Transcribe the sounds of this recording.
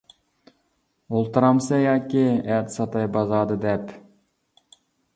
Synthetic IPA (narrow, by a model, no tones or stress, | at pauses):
olˠt̪ɨɾɑmsɑjɑːkʲiɛt̪sɑt̪ɑjbɑzɑːd̪ɨd̪ɛp